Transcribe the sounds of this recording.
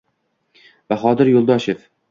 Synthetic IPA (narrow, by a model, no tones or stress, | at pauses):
baχɒd̪ɪɾjolˠd̪ɒʃef